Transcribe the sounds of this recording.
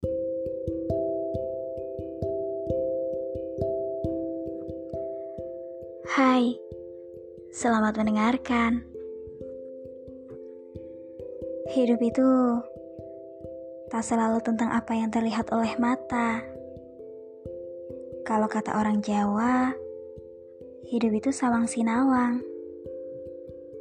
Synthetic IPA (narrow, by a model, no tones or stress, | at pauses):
haj | səlamat̪̚məndəŋarkan | hidupit̪u | t̪asəlalut̪ənt̪aŋʔapajaŋt̪ərliɦat̪olɛhmat̪a | kalokat̪a̰ʔoɾaŋd͡ʒawa | hidupit̪usawaŋsinawaŋ